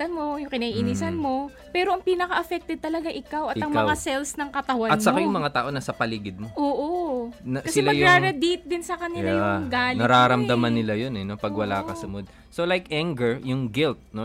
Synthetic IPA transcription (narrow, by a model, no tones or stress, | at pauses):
t̪ɐnmojʊŋkɪnɐʔiʔinisɐnmo̞ | pɛːɾo̞ʔɐŋpiːnɐkɐʔɐfɛk̚t̪ɛd̪̚t̪ɐlɐɡaʔɪkawɐtɪɐŋkɐwasɛlsnɐŋkɐt̪ɐwaɐnmsɐkajʊŋmɐŋat̪aːʔo̞nasɐpɐliːɡɪd̪̚moʔoːʔonɐkɐsɪɛlmɐɡjʊɾaɾɐd̪it̪̚d̪ɪnsɐkɐnɪljaajʊŋɡaːlnɐɾaːɾɐmd̪ɐmɐnːɪlajonɛno̞pɐɡwɐlaːkɐsʊmod̪̚ | solajkʔaŋɡɛɹjʊŋɡɪlt̪̚no